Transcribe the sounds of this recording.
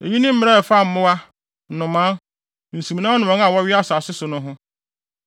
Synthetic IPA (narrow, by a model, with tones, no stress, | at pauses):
e˨ɲĩ˦nɪ̃˦m̩˦mɪ̃˦ɾɛ˦˨fa˦˨m̩˨˦mʊ̃˦wa˦˨ | nʊ̃˨mã˦ | n̩˨sũ˨m˨nã˦ɔ˦nʊ̃˨ã˨˦ŋ˦ã˨wɔ˦ɥɪ˦a˦sa˨sɪ˦sʊ˨nʊ̃˦ɦʊ̃˦